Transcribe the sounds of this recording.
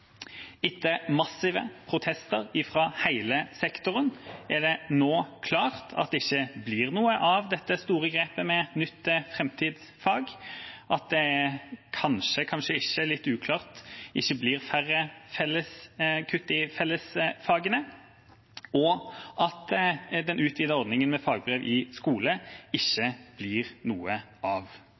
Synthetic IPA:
ɪt̪ːəmɑsɪʋəpʰʁʊt̪ʰɛst̪əʁɪfʁɑhæɪləsɛkt̪ʊʁənæd̪ɛnoːkʰlɑːʁt̪ʰɑ̰t̪̚d̪ɛɪçːəbliːʁnuːəʔɑʋd̪ɛt̪ːəst̪uːʁəɡʁeːpəmɛnʏt̪ːəfɾɛmt̪ʰiːd̪s | fɑːɡʔɑt̪̚d̪ɛkʰɑnʂəkʰɑnʃəɪçːəlɪt̪ːʉːkʰlɑːʁt̪ʔɪçːəbliːʁfærəfɛlːəskʰʉt̪ːɪfɛlːəsfɑːɡənə | ɔʔɑt̪d̪ɛnʉːt̪ʰʋiːd̪ɑɔɾd̪nɪŋənmɛfɑːɡ̚bɾeːʋʔɪskuːləɪçːəb̥liːʁnuːə | ʔɑʋ

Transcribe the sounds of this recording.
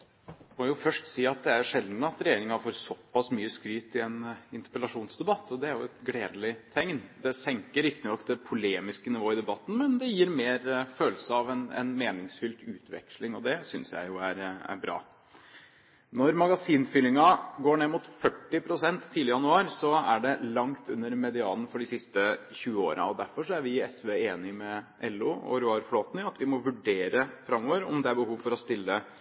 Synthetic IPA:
mɔjʊfœʂʈsiːɑt̪̚d̪ɛæʂɛld̪nəɑt̪ɾɛjeːɾɪŋɑfoːɾsɔpːɑsmyːəskɾyːt̪ɪɛnɪnt̪ə̥pəlɑʂuːnsd̪ɛbɑt̪ʰːɔd̪ɛæɾjʊɛt̪ɡɽeːd̪lɪt̪ʰɛŋnd̪ɛsɛŋkəɾɪkt̪ɪnɔkːd̪ɛpʰʊleːmɪskənɪʋoːɪd̪ɛbɑt̪ːn̩mɛnd̪ɛjiːɾmeːɾføːləsəɑʋɛnɛ̰nmeːnɪŋsfʏlt̪ʉ̰ːt̪ʰʋɛ̰kʂlɪŋɔd̪ɛsʏnsjæ̰ɪjʊæɾæ̰ɾbɾɑ̰ː | nɔɾmɑɡɑsiːnfʏlɪŋɑɡoːɳeːmʊt̪fœʈːɪpʰɾʊsɛnt̪ʰːiːlɪəjɑnʉɑːɾsɔæɖɛlɑŋt̪ʉ̰nːəɾmɛd̪ɪɑːln̩fɔɖɪsɪst̪əçʉːəo̰ːɾɑ̰ɔd̪æɾfɔʂɔæɾʋɪɛsʋeeːnɪmɛʔɛlːʊːɔ̰ɾʊɑɾfloːt̪nɪɑt̪ʋɪmɔʋʉɖeːɾəfɾɑmːɔʋəɾɔ̰md̪ɛæɾbəhuːʋfɔɾɔst̪ɪlːə

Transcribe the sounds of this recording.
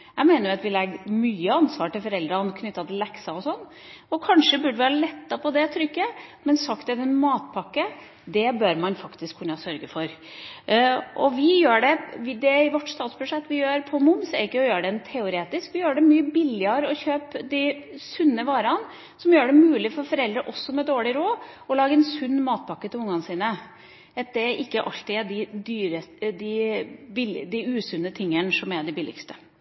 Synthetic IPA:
jæɪmeːnəɾjʊɑt̪ʋɪlɛɡmyːəɑnsʋɑːʈɪlfɔɾɛld̪ɾɑnkʰnʏt̪ːɑt̪ʰɪlːɛksɑɔsɔnː | ɔkʰɑnʂəbʉɖəʋɪɑːɾlɛt̪ːɑpʰɔd̪ɛt̪ʰɾʏkːəmɛnsɑkt̪ɛd̪ɛnmɑːt̪̚pʰɑkːə | d̪ɛbœɾmɑnfɑkt̪ɪskʰːʉnːɑsœɾɡəfɔɾ | ʔɔʋɪjøːɖɛʋɪd̪ɛɪʋɔʈːst̪ɑːt̪sbʉʂɛt̪ːʋɪjøːɾpʰɔmʊmsæɾɪkːəɔjøːɖɛnt̪ʰɛʊɾeːt̪ɪskʋɪjøːɖɛmyːəbɪlɪɑɾəɔçøːpd̪ɪsʉnːəʋɑːɾɑn | sɔmjøːɖɛmʉːlɪfɔɾfɔɾɛld̪ɾəʔɔsːɔmɛd̪oːɭɪɾoːɔlɑːɡəɛnsʉnːmɑːt̪̚pʰɑkːət̪ʰɪlʊŋːɑnəsiːnə | ɛt̪̚d̪ɛʔɪkːəʔɑ̰lt̪ɪæɖ̪ɪd̪yːɾəd̪ɪbɪld̪ɪʉːsʉnːət̪ʰɪŋːənsɔmæɖ̪ɪbɪlɪ̰kst̪ə̥

